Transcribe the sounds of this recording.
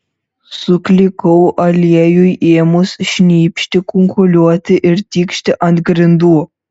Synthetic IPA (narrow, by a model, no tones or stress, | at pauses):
sʊklʲɪkɔwʔɐlʲeːjujʔeːmʊsʃʲnʲiːpʲʃʲt̪ʲɪkʊŋkolʲuɔt̪ʲɪʔɪɾt̪ʲiːkʃʲt̪ʲɪʔɐnt̪ɡɾʲɪnd̪uː